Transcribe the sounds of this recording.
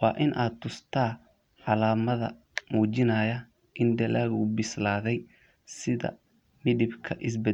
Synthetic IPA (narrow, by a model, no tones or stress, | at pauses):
wɑːʔɪnʔaːd̪t̪ʰʊst̪ʰaː | ʕɑlaːmɐðɐ̰ | muːt͡ʃɪnɐjɐ | ʔɪnd̪ɐlaːɣʊbɪslaːðɛj | sɪðɐ̰ | mɪðɪbkʰɐʔɪs̬bɛ